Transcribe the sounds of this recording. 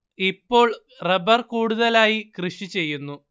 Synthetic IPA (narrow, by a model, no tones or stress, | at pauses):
ipːo̞ːɭ | rebɐrkuːɽuðɐlaːjikrɨʂit͡ɕe̞jːunːu